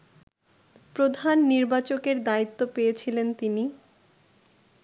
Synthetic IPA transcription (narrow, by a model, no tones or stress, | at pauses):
pɾod̪ʱanːiɾbat͡ɕokeɾd̪ait̪ːopejet͡ɕʰilent̪ini